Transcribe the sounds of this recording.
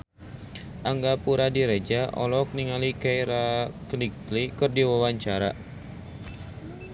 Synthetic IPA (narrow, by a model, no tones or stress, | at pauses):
ʔaŋɡapuɾadiɾed͡ʒaʔɔ̰lɔk̚niŋalikajɾakənik̚t̪likərdiwawaɲt͡ʃaɾa̰